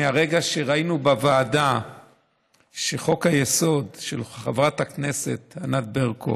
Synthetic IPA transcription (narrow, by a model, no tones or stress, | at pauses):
aʁeɡaʃe̞ʁainubavaːda | ʃeχo̞khajeso̞dʃelχavʁathakne̞se̞t̪hanat̪̚beʁkʰo̰